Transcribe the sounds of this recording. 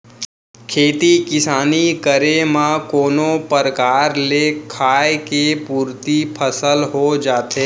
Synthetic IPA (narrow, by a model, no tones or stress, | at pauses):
kʰeːt̪ikɪsaːnikəɾemãkoːnõpəɾkaːɾlekʰaːjekepuːɾt̪ipʰəsəlɦod͡ʒaːt̪eː